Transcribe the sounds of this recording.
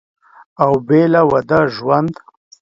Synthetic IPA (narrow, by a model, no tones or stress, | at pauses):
awbelawad̪aʒwand̪